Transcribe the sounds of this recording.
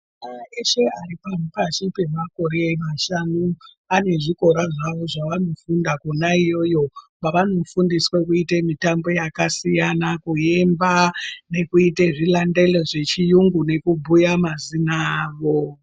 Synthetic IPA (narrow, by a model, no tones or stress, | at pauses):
aeʃe̞aripanupaʃipe̞mako̞ɾemaʃanu | ane̞ʐiko̞ɾaʐaʋo̞ʐaʋano̞fundakunaijo̞jo̞paʋano̞fundiswekuitemitambo̞jakasijanakuje̞mbane̞kuiteʐilande̞leʐe̞t͡ʃijuŋɡune̞kubʱujamazinaːʋo̞